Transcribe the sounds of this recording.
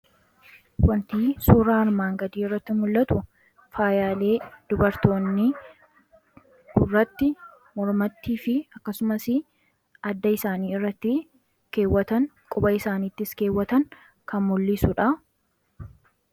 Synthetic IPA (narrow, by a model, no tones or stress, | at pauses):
wɐnt̪iːsuːɾaːɐɾmaːŋɡɐd̪iːɪrːɐt̪ːɪmʊlːɐt̪ʊ | faːjaːle̞ːd̪̥ʊbɐɾt̪o̞ːnːɪ | ɡʊrːɐt̪ːɪ | mɔɾmɐt̪ːiːfɪɐkːɐsʊmɐsɪ | ɐd̪ːɐɪsaːniːɪrːɐt̪ːɪ | ke̞ːwːɐt̪ɐŋkʼʊbɐɪsaːniːt̪ːɪske̞ːwːɐt̪ɐŋ | kɐmmʊlːɪsʊᶑɐ